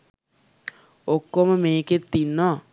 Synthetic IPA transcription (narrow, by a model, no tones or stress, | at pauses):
okːoməmeːket̪ːinːɔː